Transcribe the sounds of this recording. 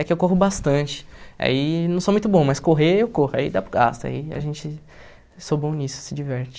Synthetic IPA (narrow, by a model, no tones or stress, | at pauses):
ɛkɪewkoɦʊbast̪ɐ̃t͡ʃɪ̥a̰inɐ̃w̃somũj̃t̪ʊbõmɐjskoɦeewkohʊa̰ḭd̪apɾɐɡa̰st̪ɐa̰iɐ̰ʒẽt͡ʃɪ | sobõnisʊ̥sɪd͡ʒivɛɾt͡ʃɪ